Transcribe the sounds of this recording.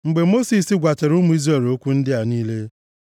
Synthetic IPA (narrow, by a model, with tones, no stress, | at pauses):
ŋ͡m̩˨ɡ͡be˨mo˦si˨sɪ˦ɡʷa˨te˨ɾu˦mu˦i˦zɾe˨ɾo˦kʷu˦n̩˦dɪ˦a˨niː˦le˦